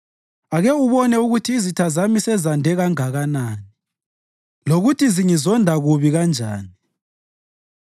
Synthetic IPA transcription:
aɣɛuβɔnɛuɣutʰiːzitʰazamisɛzandʱɛɣaŋaɣanaːni | loɣutʰiziŋizɔndʱaɣuβiɣand͡ʒʱa̰ːni

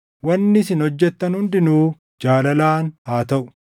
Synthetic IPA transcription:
wɐnːɪsɪnhɔd͡ʒːɛt̪ːɐnhʊnd̪ɪnuː | d͡ʒaːlɐlaːnhaːt̪ɐʔʊ̥

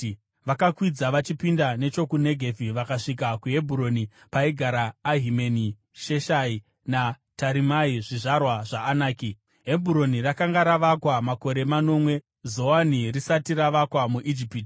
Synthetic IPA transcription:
ʋakakwid͡zaʋat͡ʃipindane̞t͡ʃo̞kune̞ɡʱe̞viʋakaʂik̬akuɦe̞bʱuɾo̞ni | paiɡʱaɾaːɦimeni | ʃeʃai | na | taɾimaiʐiʐarwaʐaːnaːki | ɦe̞bʱuɾo̞nirakaŋɡaɾaʋakwamako̞ɾe̞mano̞ːmwe̞ | zo̞wanirisatiɾaʋakwamuʔid͡ʒipiːt

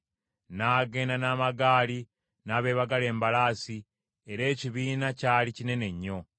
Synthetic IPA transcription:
naːɡe̞ːnanaːmaɡaːli | naːβe̞ːβaɡale̞ːmbalaːsi | e̞ɾe̞ːciβiːnacaːlicine̞ne̞ɲːo̞

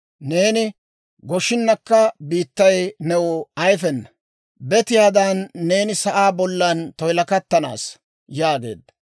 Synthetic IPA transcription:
ne̞ːnɪ | ɡɔʃɪnːɐkːɐbiːt̪ːɐjnɛwʊɐjfɛnːɐ | bɛt̪ɪjaːd̪ɐnːe̞ːnɪsɐʔaːbɔlːɐnt̪ɔjlɐkɐt̪ːɐna̰ːs | jaːɡe̞̰ːd̪ːɐ̥

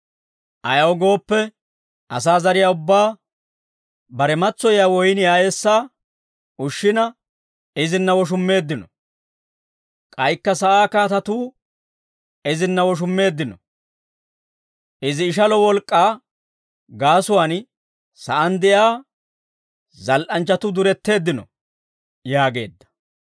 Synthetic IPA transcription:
ʔɐjɐwɔɡo̞ːpːɛ | ʔɐ̰saːzɐɾɪjaːʊbːaː | bɐɾɛmɐt͡sːɔjjaːwɔjnɪjaːjesːaː | ʊʃːɪnɐ | ɪzɪnːɐwɔʃ̬ʊmːe̞ːd̪ːɪnɔ | kʼɐjkːɐsɐʔaːkaːt̪ɐt̪uː | ɪzɪnːɐwɔʃ̬ʊmːe̞ːd̪ːɪnɔ | ʔɪzɪːʃ̬ɐlɔwɔlkʼːaː | ɡaːsʊwaːn | sɐʔɐnd̪ɛjaː | zɐlʔɐnt͡ʃːɐt̪ʊd̪ʊɾɛt̪ːe̞ːd̪ːɪnɔ | jaːɡe̞̰ːd̪ːɐ̥

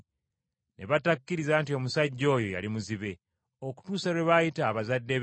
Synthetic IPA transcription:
nʔe̞βatakːiɾizaːntio̞musaɟːo̞ːjo̞ja̰limuziβe̞ | oku̥tuːsaɾweβajitaːβazadːe̞

